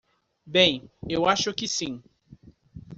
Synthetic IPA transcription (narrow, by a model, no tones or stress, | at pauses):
bẽj̃ewaʃʊkɪsĩ